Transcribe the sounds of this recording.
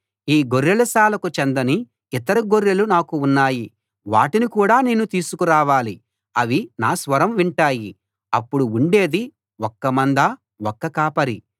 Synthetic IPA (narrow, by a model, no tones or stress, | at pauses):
iːɡoɾːɐlɐsaːlɐkut͡ʃend̪ɐni | it̪ɐɾuɡoɾjɐlunaːkuːnːaːji | ʋa̰ːʈinikuːɽaːneːnut̪iːsukuɾaːʋaːli | ɐʋinaːsʋɐɾɐmʋiɳʈaːji | ɐpːuɽuuɳɖe̞ːd̪i | ɔkːɐmɐnd̪ɐ | wɔkːɐkaːpɐɾi